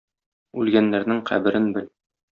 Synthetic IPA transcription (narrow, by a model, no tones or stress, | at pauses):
ʉlɡænːæɾnɘŋqʰæ̰bɘ̆ɾɘnbɘl